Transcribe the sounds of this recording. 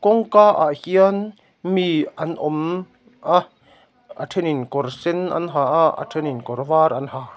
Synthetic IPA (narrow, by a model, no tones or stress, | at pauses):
kɔŋkaːʔa̰hian | miʔɐnʔɔm | ʔa | atʰeninkɔrsenʔɐ̰nɦaʔaa̰tʰeninkɔrvaːrʔɐnha